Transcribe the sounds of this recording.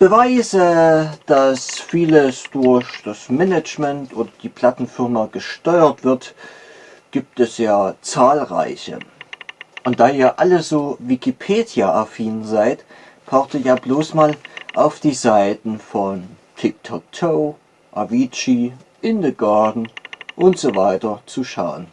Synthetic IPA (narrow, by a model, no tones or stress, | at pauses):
b̥əvaɪzəd̥asfiːləsd̥ʊɐçd̥asmɛnɛt͡ʃmɛntʔoːdɐd̥iːpʰl̥atn̩fɪɐmaɡəʃtɔʏɐtv̥ɪɐt | ɡ̥iːp̚tɛsjaːt͡saːlʁa̰ɪçə̰ | ʔʊnt̚d̥aːiːɐʔaləzoːvikipʰeːdjaʔafiːnzaɪt | b̥ʰaʊxtəjaːbloːsmaːlʔaʊfd̥iːzaɪtn̩fɔn | tʰɪk̚tʰɔk̚tʰoː | ʔa̰viːt͡ʃi | ʔɪndəɡaɐdn̩ʔʊntz̥ovaɪtɐt͡suʃaʊən